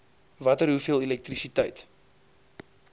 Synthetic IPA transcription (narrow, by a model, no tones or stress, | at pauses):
vɐtərɦufiəlˠɛlɛk̚trisitəjt